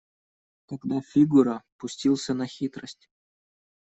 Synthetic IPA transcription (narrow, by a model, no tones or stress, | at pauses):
t̪aɡd̪afʲiɡuɾəpʊsʲtʲilˠsʲənɐxʲit̪ɾəsʲtʲ